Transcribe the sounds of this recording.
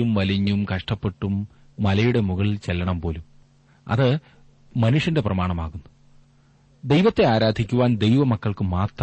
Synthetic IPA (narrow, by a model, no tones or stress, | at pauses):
umʋɐliɲːumkɐʂʈɐpːe̞ʈːumː | ɐlɐjuɽe̞muɣɐɭilt͡ɕelːɐɳɐmpo̞ːlum | ɐ̰ðɨ | mɐnuʂjɐnde̞prɐmaːɳɐmaːɣunːu | d̪ejʋɐt̪ːe̞aːɾaːd̪ʱikʲːuʋaːnd̪e̞jʋɐmɐkːɐɭkɨmaːt̪r